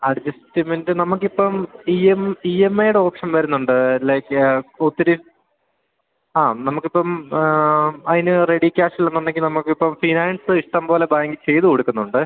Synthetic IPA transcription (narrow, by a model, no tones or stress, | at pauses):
ɐɽd͡ʑistimendenɐmukːipːɐmiemiemːɐjuɽeo̞ːpʂɐnʋɐɾunːuɳɖɨlɐjkot̪ːiɾi | aːnɐmukːipːɐm | ɐðinɨreɽikʲːaːʂilːɐnːɐnːeŋɡinɐmukːipːɐmfinaːnsɨiʂʈɐmbo̞ːle̞baːŋɡit͡ɕe̞jt̪ukoɽukʲːunːuɳɖɨ